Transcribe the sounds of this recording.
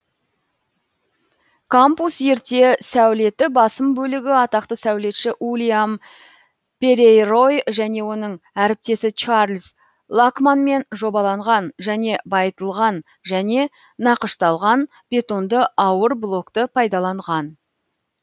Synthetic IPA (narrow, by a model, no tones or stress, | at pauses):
kʰampusje̞ɾt̪e̞sæwle̞t̪ɪbɑsəmbɵlɪɡʲɪɑt̪ɑq̚t̪əsæwle̞t̪ʃɪʔulʲijam | pe̞ɾejro̞jʒæne̞wo̞nəɴæɾɪp̚t̪e̞sɪt͡ʃaɾlʲs | lˠakmanme̞nʒo̞bɑlˠɑɴʁɑnʒæne̞bɑjət̪əlˠʁɑn | ʒæne̞ | nɑqəʃt̪ɑlˠʁɑn | b̥ʲe̞t̪o̞nd̪əʔɑwəɾblˠo̞kt̪əpʰɑjd̪ɑlˠɑɴʁɑn